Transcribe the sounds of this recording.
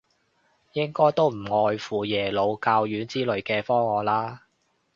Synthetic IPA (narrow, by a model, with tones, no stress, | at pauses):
jɪ˥ŋkɔː˥jt̪o˥wm̩˨˩ŋɔː˧jfuː˨jɛː˨˩lo˨˧wkaː˧wjyː˨˥nt͡siː˥lɵ˨˧ɥkɛː˧fɔː˥ŋɔː˨˧laː˥